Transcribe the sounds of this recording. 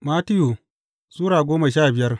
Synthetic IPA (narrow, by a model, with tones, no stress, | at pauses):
maː˦tɪ˦ju˨ | zuː˦ɽaː˨ɡʷoː˦ma˨ʃ̬aː˦˨bɪ˨jɐ˦r